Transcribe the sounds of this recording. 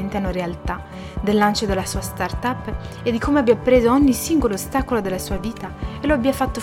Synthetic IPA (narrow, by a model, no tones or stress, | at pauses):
ent̪eanːoɾealt̪a | d̪elːant͡ʃod̪elasuːast̪art̪apː | ed̪ːikʰomeabiapːɾeːzooɲːisiŋɡoloːst̪akolod̪elːasuːaviːt̪aeloabːiafat̪ːo